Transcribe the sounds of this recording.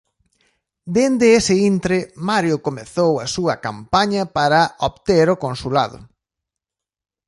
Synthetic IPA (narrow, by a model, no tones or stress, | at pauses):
d̪end̪ɪesɪint̪ɾemaɾjokomeθowɐsuɐkampaɲɐpaɾɐoβt̪eɾokonsula̰ðʊ̰